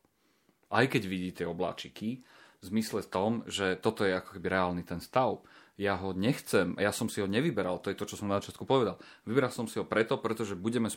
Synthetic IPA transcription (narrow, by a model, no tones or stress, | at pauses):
ʔajkɛɟʋiɟiːt̪ɪɛɔbla̰ːt͡ʃiki | vzmislɛft̪ɔmʒɛt̪ɔt̪ɔjɛakɔ̥kɛbiɾɛaːlnit̪ɛnst̪aʊjaɦɔɲɛxt͡sɛmjasɔmsiɦɔɲɛʋibɛɾalt̪ɔjɛt̪ɔt͡ʃɔsɔmnazat͡ʃɪat̪kupɔʋɛd̪alʋibɛɾalsɔmsiɦɔpɾɛt̪ɔpɾɛt̪ɔʒɛbuɟɛmɛs